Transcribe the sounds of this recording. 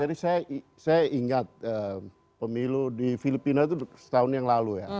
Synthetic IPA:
d͡ʒadisajaʔi | sajaiŋat̪̚ə | pəmiludifilipinat̪usə̥t̪aʊnjaŋlaluja

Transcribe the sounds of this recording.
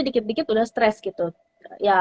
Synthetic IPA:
dikɪt̪̚dikɪt̪udahst̪ɾɛsɡit̪u | ja

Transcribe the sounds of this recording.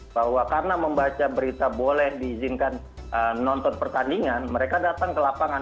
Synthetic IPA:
bahwakarnaməmbat͡ʃabəɾit̪abolɛhdiːzinkan | əːɔnt̪ɔnpərt̪andiŋanməɾekadat̪aŋkəlapaŋa

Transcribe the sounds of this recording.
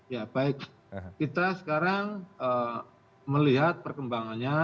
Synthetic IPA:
jabaɪk̚ | kit̪asə̥kaɾaŋə | məliɦat̪̚pərkəmbaŋanɲa

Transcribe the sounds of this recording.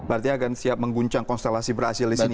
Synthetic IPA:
bart̪iɲaɡansiap̚məŋɡuɲt͡ʃaŋkɔnst̪elasibərasɪldisini

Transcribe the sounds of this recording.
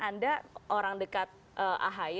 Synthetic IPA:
andaʔoɾaŋdəkat̪̚ | ʔəʔa̰ɦa

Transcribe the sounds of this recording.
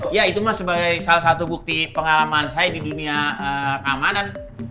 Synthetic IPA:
jait̪umasəbaɡajsalahsat̪ubuk̚t̪ipəŋalamansajadiduniaəkamanan

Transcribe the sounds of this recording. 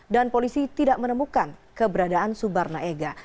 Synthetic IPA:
danpolisit̪idaʔmənəmukankəbəɾadaansubarnaʔeɡa

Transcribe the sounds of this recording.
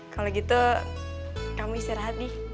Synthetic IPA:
kaloɡit̪u | kamusɛɾaɦat̪i

